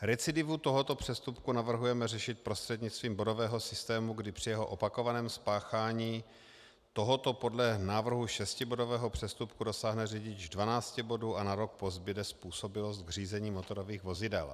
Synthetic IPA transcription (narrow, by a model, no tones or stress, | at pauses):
ɾɛt͡sɪdɪvut̪o̞ɦot̪o̞pr̥ɛst̪upkunavr̩ɦujɛmɛrɛʃɪt̪̚pɾost̪r̥ɛdɲɪt͡st̪viːmbo̞do̞vɛːɦo̞sɪst̪ɛːmuɡdɪpr̥ɪjɛɦo̞ʔopako̞vanɛːmspaːxaːɲiː | t̪o̞ɦo̞t̪o̞po̞dlɛnaːvr̩ɦuʃɛscɪbo̞do̞vɛːɦopr̥ɛst̪upkudo̞saːɦnɛriɟɪd͡ʒdvanaːt͡scɛbo̞duːʔanaɾo̞k̚po̞zbɪdɛspuːso̞bɪlost̪̚ɡr̝iːzɛɲiːmo̞t̪o̞ɾo̞viːɣvo̞zɪdɛ̰l